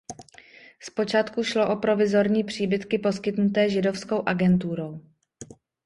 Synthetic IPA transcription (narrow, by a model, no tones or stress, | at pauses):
spo̞t͡ʃaːt̪kuʃlo̞ʔo̞pɾo̞vɪzo̞ɾɲiːpr̝̥iːbɪt̪kɪpo̞skɪt̪nut̪ɛːʒɪdo̞fsko̞wʔaɡɛnt̪̬uɾo̞w